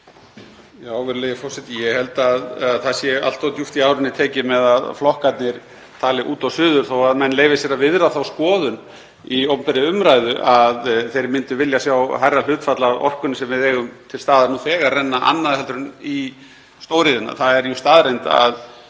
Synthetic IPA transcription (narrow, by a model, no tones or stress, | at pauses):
jaːwvɛɾleːjɪfɔɾsɛt̪jɛhɛlt̪aðaðθasjɛa̰l̥t̪awt̪juft̪iaːwɾʏnːɪt̪ʰɛːcɪmɛðaðflɔhkat̪nɪɾ | t̪ʰaːlɪʔuːt̪awsʏːðʏɾ̥θowaðmɛnːleːjvɪsjɛːɾavɪðɾaθawskɔːðʏn | iowmpɛɾɪʏmɾajðʏʔaðθejɾmɪnt̪ʏvɪljasjawhajral̥ʏːt̪fat̪laavɔ̰r̥kʏnːʏsɛmvɪðɛːɣʏmt̪ʰɪlst̪aːðaɾnuθɛːɣaɾːɛnːaʔa̰nːaðhɛlt̪ɾʏni | st̪oːwɾɪðɪnːa̰θaðɛɾjʏst̪aːðɾejnt̪a̰ð